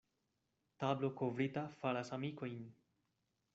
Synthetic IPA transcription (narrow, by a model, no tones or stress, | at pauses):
tablo̞kovɾitafalasamiko̞jn